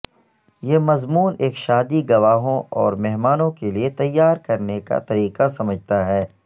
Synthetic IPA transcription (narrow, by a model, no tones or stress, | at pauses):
jeːmɐzmuːneːkʃaːd̪iɡɐʋaːɦõʔɔ̰ːɾmɛɦmaːnõkeliet̪ɐjːaːɾkɐɾneka̰t̪ɐɾiːqasɐməd͡ʒʱt̪aɦɛː